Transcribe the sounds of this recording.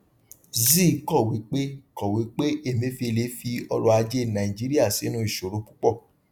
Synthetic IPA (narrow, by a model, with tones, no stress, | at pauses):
zi˦˨˦kɔ˦˨wi˨˦k͡pe˦kɔ˨wi˨˦k͡pe˦e˦˨mĩ˨˦fi˧e˧le˨˦fi˧ɔ˧ɾɔ˧a˧d͡ʒe˦nã˨i˨d͡ʒi˨˦ɾi˦a˦˨si˨˦nũ˧˦i˦˨ʃo˨ɾõ˨˦k͡pu˦k͡pɔ˦˨